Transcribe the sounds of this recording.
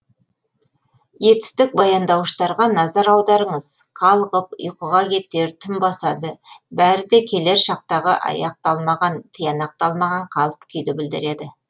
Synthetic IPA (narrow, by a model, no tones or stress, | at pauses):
je̞t̪ɪ̥st̪ɪk̚bɑjɑnd̪ɑwʃt̪ɑɾʁɑnɑzɑɾɑwd̪ɑɾəɴəz̥qʰɑlˠəʁəp̚ʊ̰jqəʁɑkʲe̞t̪ːe̞ɾt̪ʰɪmbɑsɑd̪əbæɾɪd̪e̞kʲʰe̞le̞ɾʃɑq̚t̪ɑʁəʔɑ̰jɑq̚t̪ɑlˠmɑʁɑnt̪ʰəjɑnɑq̚t̪ɑlˠmɑʁɑɴqʰɑlˠəp̚kʲʰʏjd̪ɪbɪld̪ɪɾe̞d̪ɪ